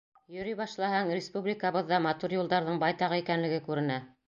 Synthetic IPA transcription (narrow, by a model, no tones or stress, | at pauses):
jɵ̆ɾiβɑʃlˠɑhɑŋrʲɪspublʲikɑβɤðːɑmɑt̪uɾjulˠd̪ɑɾðɤɴbɑjt̪ɑʁɤikænlɘ̆ɡɘkʉɾɘ̆næ